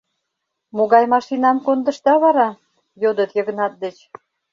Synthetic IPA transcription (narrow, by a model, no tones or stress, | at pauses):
moɣɑjmɑʃinɑmkond̪ə̆ʃt̪ɑβɑɾɑ | jod̪ət̪jəɣə̆nɑt̪̚d̪et͡ɕ